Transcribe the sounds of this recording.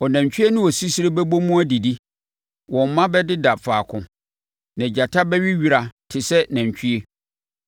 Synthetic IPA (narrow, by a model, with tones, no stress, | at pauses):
ɔ˨næ̃˨ɲ˨t͡ɕᶣi˦e˦nɪ̃˦wɔ˨si˦si˦ɾe˦bɛ˦bo˦mũ˦æ˦di˨di˦ | wɔ̃˨m˦mã˦bɛ˦dɪ˦da˨faː˨kʰʊ̃˨ | nã˨d͡ʑa˨tʰa˦bɛ˦ɥi˦ɥi˨˦ɾa˨tʰɪ˨sɛ˦næ̃˨ɲ˨t͡ɕʰᶣɥe˦